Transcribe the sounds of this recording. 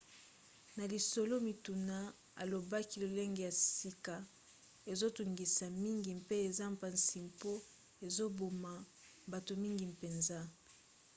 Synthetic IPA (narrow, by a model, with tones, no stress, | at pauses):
na˨li˨so˨lo˦mi˨tu˨na˦ | a̰˨lo˨ba˦ki˦lo˨le˦ŋɡe˨ja˨si˦ka˨ | e˨zo˦tu˨ŋɡi˨sa˨mi˦ŋɡi˨mpe˦e˨za˦mpa˨nsi˨mpo˦ | e˨zo˦bo˨ma˨ | ba˨to˨mi˦ŋɡi˨mpe˨nza˦